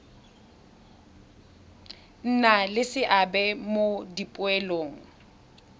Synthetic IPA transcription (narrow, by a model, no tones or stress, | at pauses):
n̩nalɪsɪʔabɛmodipʼʊɛloːŋ̩